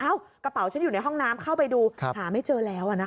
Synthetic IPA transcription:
ʔaː˦˥˩wkɾa˧pa˩˦wt͡ɕʰa˦˥nju˨˩na˧jɦɔ˥˩ŋnaː˦˥mkʰa˥˩wpa˧jduː˧thaː˩˦ma˥˩jt͡ɕɤː˧lɛː˦˥wʔa˨˩na˦˥˩

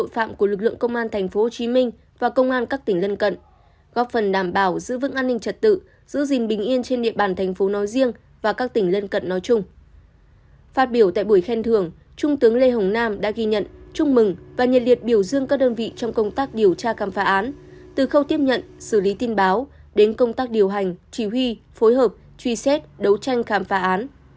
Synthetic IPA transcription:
o̰˧˨jfa̰ː˧˨mku˧˩əlɨ˨˩k̚lɨ̰˧əŋkə˧wŋ͡mʔaː˧nt̪ʰɛ˨˩ŋ̟fo˨˦ho˨˩t͡ɕi˨˦mï˧ŋ̟ | vaː˨˩kə˧wŋ͡mʔaː˧nkaː˦˥k̚t̪ï˨˩ŋ̟lə˧nkə̰˧˨n | ɣɔ˦˥p̚fə˨˩nɗaː˧˩mɓaː˧˩wzɨ̰˧˥vɨ̰˧˥ŋʔaː˧nːï˧ŋ̟t͡ɕə˨˩t̚t̪ɨ̰˧˨ | z̥ɨ̰˧˥zï˨˩ŋ̟ɓï˨˩ŋ̟ʔi˧ənt͡ɕe˧nɗḭ˧əɓaː˨˩nt̪ʰɛ˨˩jŋ̟fo˨˦nɔ˨˦jzi˧əŋ | vaː˨˩kaː˦˥k̚t̪ï˧˩ŋ̟lə˧nkə̰˧˨nːɔ˨˦jt͡ɕʊ˧ŋ͡m | faː˦˥t̚ɓi˧˩əwt̪a̰ː˧˨jɓu˧˩əjxɛ˧nt̪ʰɨ˨˩əŋ | t͡ɕʊ˧ŋ͡mt̪ɨ˨˦əŋle˧ɦə˨˩wŋ͡mnaː˧mɗa̰ː˧˥ɣi˧ɲə̰˧˨nt͡ɕʊ˧ŋ͡mmɨ˨˩ŋvaː˨˩ɲə̰˨n̚li˨˩ət̚ɓi˧˩əwzɨ˧əŋkaː˦˥k̚ɗəː˧nvḭ˧˨t͡ɕɔ˧wŋ͡mkə˧wŋ͡mt̪aː˦˥k̚ɗi˨˩əwt͡ɕaː˧xaː˨˩˦mfaː˨˦ʔaː˨˦nt̪ɨ˨˩xə˧wt̪i˦˥əp̚ɲə̰˧˨nsɨ˧˩li˨˦t̪i˧nɓaː˨˦wɗe˨˦nkə˧wŋ͡mt̪aː˦˥k̚ɗi˨˩əwɦa˨˩jŋ̟t͡ɕi˧˩ɦwi˧fo˨˦jɦəː˨˩p̚ | t͡ɕwi˧sɛ˦˥t̚ɗə˨˦wt͡ɕa˧jŋ̟xaː˨˦mfaː˨˦ʔaː˨˦n

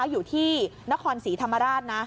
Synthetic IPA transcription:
wjuː˨˩t̪ʰiː˥˩na˦˥kʰɔː˧nsiː˩˦t̪ʰa˧mːa˧ɾaː˥˩t̪̚na˦˥

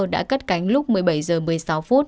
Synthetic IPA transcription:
ɗa̰ː˧˥kə˦˥t̚ka˨˧˦jŋ̟lʊ˦˥k͡p̚mɨ˨˩əjɓa˧˩jzəː˨˩mɨ˨˩əjsa˨˧˦wfu˦˥t̚

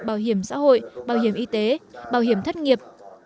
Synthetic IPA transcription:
ɓaː˧˩wɦi˧˩əmsa̰ː˧˥ɦo̰˧˨jɓaː˧˩wɦi˧˩əmʔi˧t̪e˨˦ɓaː˧˩whi˧˩əmt̪ʰə˦˥jt̚ŋi˨˩əp̚

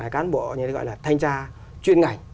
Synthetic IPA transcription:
aː˨˩jkaː˨˦nɓo̰˧˨ɲɨ˧t̪e˨˦ɣɔ̰˧˨laː˨˩t̪ʰa˧jŋ̟t͡ɕaː˧ | t͡ɕwi˧ənŋa˨˩jŋ

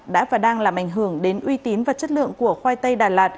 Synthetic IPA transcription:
ɗa̰ː˧˥vaː˨˩ɗaː˧ŋlaː˨˩mʔa˧˩ŋ̟ɦɨ˧˩əŋɗe˨˦nʔwi˧t̪i˨˦nvaː˨˩t͡ɕə˦˥t̚lɨ̰˧˨əŋku˧˩əxwaː˧jt̪ə˧jɗaː˨˩lwaː˨˩t̚

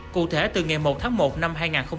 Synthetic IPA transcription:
kṵ˧˨t̪ʰe˧˩t̪ɨ˨˩ŋa˨˩jmo˨˩t̚t̪ʰaː˨˦ŋmo˨˩t̚na˧mɦaː˧jŋaː˨˩nxə˧wŋ͡m

